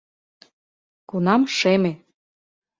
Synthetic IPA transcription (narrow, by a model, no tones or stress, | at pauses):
kunɑmʃeme